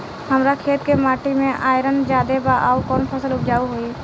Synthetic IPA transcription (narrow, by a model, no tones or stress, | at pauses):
həmɾakʰeːt̪kemaːʈimẽʔaːjɪɾənd͡ʒjaːd̪ebaʔa̰ːukɔːnpʰəsəlʊpd͡ʒaːuɦoiː